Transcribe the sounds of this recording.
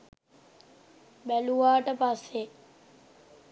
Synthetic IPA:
bæluʋaːʈəpasːe

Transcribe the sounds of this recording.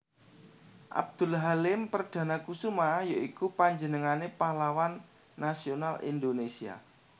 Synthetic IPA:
ʔa̰b̚d̪̥ṳlɦalɪmpərd̪̥ä̤nakusumaahjoikupaɲd͡ʒənəŋanepahlawanː | asionalḭnd̪onesia̰

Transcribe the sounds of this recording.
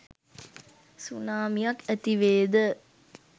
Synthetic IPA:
sunaːmijɐkæt̪iʋeːd̪ə

